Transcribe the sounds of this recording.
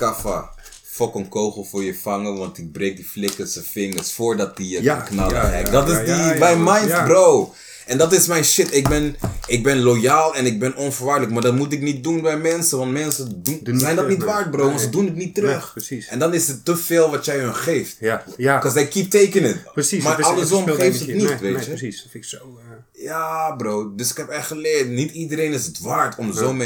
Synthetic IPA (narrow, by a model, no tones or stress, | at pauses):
kafa̰ | fɔkənkowχəl̩ˠfʊːɹjəfɑŋəʋɑntɪk̚brejk̚diflɪkəsəfɪŋəɹsfʊːɹdɑt̚dijəknɑ̰lɛ̰kdɔtɪsdibɛjmajntbrow | ʔɛndɑtɪsmɛjnʃɪtɪk̚bɛnɪɡ̚bɛnlojaːlˠɛnɪɡ̚bɛnɔnfəɹʋaːɹdələkmaːɹdɑtmutɪknit̚dunbɛjmɛnsəʋɑntmɛnsədunzɛjndɔtnitʋaːɹt̚browʋɑntsədunətnitːərøχɛndɑnɪsətːəfɪːlˠʋɑtjɛjɦənχejftkzɛjkip̚tejkənəmaɹɑldəz̬ɔmejftənitʋejtjə | jaːbrowdɵsɪ̥kɦɛpɛtχəlɪːɹtnitidəɾejnɪsətʋaːɹtʰɔmzomɛ